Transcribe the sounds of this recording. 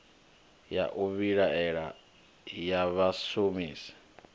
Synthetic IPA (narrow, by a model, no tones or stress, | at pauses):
ja̰ʔuβiɺaɛɺa̰ | jaβasomiːsḁ